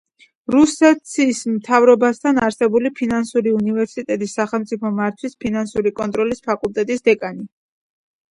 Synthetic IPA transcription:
ɾusɛt̪sʰismt̪ʰavɾɔbast̪ʰanaɾsɛbulipʰinansuɾiunivɛɾsit̪ʼɛt̪ʼisːaχɛlˠmt̪sʼipʰɔmːaɾt̪ʰwispʰinansuɾikʼɔnt̪ʼɾɔlispʰakʼulˠt̪ʼɛt̪ʼisd̪ɛkʼani

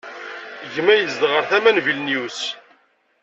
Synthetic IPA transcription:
ʝmæjəzd̪ʁəɾθæmænvilnijus

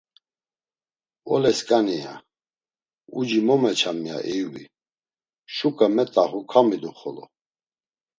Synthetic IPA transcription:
ɔ̰lɛskʼania̰ | ud͡ʒimɔmɛt͡ʃʰamia̰ʔɛjwḭ | ʃukʼamɛt̪ʼaχukʰamid̪uχɔlɔ̰

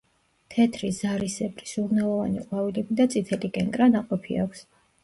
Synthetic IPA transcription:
t̪ʰɛt̪ʰɾizaɾisɛbɾisunalˠɔvaniqʼwavilɛbid̪at̪sʼit̪ʰɛlikʼɛnkʼɾanaqʼɔpʰia̰kʷʰs

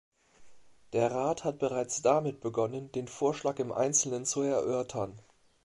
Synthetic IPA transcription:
d̥eːɐʁaːthat̚b̥əʁaɪt͡sd̥amɪt̚b̥əɡɔnəndeːnfoːɐʃlaːkɪmʔa̰ɪnt͡sl̩nənt͡suɛɐʔœɐtʰɐn

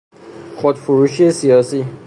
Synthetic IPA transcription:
χod̪fuɾuʃiesiɒːsi

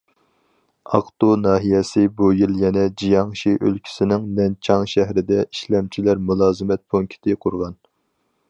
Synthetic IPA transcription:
ɑ̰qt̪unɑːɦijɛsɪbujiljɛnɛd͡ʒijɑŋʃiʔølkʲʰi̥sɪnɪŋnɛnt͡ʃʰɑŋʃæɦɾɪd̪ɛiʃlɛmt͡ʃʰilæɾmulˠɑːzɨmɛt̪̚pʰuŋkʲʰt̪ʰɪqʰʊɾʁɑn

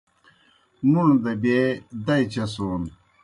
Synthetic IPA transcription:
nund̪ɐbed̪ɐjt͡ɕɐson

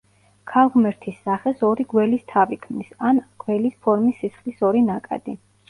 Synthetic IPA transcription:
kʰalˠʁmɛɾt̪ʰisːaχɛsɔɾiɡwɛlist̪ʰavikʰmnisanɡ̥wɛlispʰɔɾmisːisχlisɔɾinakʼa̰d̪̥i

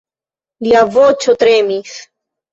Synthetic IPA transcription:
liavot͡ʃot̪ɾemis

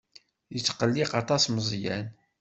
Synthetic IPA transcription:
jət͡sːqəlːiqɑt̪ˤɑsməzˤjæn

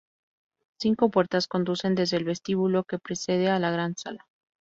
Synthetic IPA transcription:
siŋko̞pwe̞ɾt̪asko̞nd̪use̞nd̪e̞zðe̞ːlβe̞st̪iβulo̞ke̞pɾe̞se̞ð̞e̞alaɣɾansala

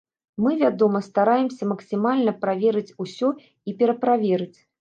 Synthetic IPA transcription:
mɨvʲad̪ɔmɐst̪aɾajɛmsʲɐmɐksʲimalʲnɐpɾavʲɛɾɨt͡sʲusʲɔ | ipʲɛɾɐpɾavʲɛɾɨt͡sʲ

